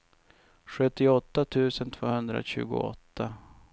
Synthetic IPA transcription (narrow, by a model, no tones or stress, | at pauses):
ɧɵt̪ːɪɔt̪ːat̪ʰʉ̟ːsənt̪ʰvoːhɵnd̪ɾa̰ɕʉ̟ːɡʊ̰ɔ̰t̪ːa